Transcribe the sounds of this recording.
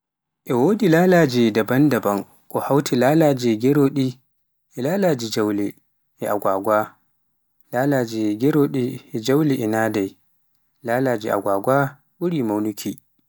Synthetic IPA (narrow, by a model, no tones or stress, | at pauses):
ʔɛwodilaːlaːd͡ʒidɐbɐndɐbɐŋ | kʼɔhawtʰilaːlaːd͡ʒiɡʲɛɾoːɗi | ʔɛlaːlaːd͡ʒid͡ʒawlɛ | ʔɛʔaɡʷaːɡʷa | laːlaːd͡ʒiɡɛɾoːɗiɛd͡ʒawliʔɛnaːdaj | laːlaːd͡ʒiʔa̰ɡʷaːɡʷaː | wʊɾiːmawnukʲʰiː